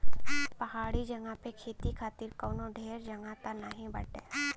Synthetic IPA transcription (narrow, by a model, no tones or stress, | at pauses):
pɐɦaːɽid͡ʒɐŋɡapekʰeːt̪ikʰaːt̪ɪɾkoːnoɖʱeːɾd͡ʒɐŋɡat̪anəɦĩbɐ̰ʈḛː